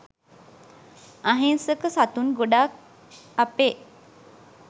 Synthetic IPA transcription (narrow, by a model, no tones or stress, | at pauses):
aɦensəkəsat̪unɡoɖak̚ | ape